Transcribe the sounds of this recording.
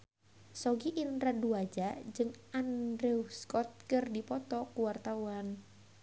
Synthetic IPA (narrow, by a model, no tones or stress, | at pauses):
sɔɡiʔinraduad͡ʒad͡ʒɨŋandɾɛuskɔt̪̚kɨrdipɔt̪ɔkuwart̪awan